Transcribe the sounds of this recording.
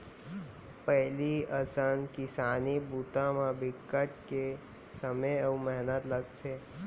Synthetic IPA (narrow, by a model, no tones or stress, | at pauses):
pɛɦliəsənkɪsaːnibuːt̪ãmãbɪkːəʈke | səməjəumɛɦnət̪ləɡt̪ʰeː